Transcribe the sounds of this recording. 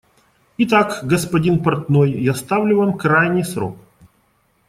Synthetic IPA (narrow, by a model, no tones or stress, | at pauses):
ɪt̪akɡəspɐdʲinpɐrt̪nojːast̪avlʲʊvamkɾajnʲɪjsɾo̰k̚